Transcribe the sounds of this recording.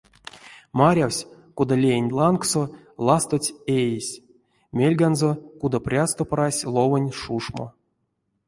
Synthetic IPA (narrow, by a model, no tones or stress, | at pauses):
maɾʲawsʲ | kud̪alʲejenʲlˠankso | lˠast̪ot͡sʲejesʲ | mʲelʲɡanzokud̪aprʲast̪oprasʲlˠovonʲʂuʂmo̰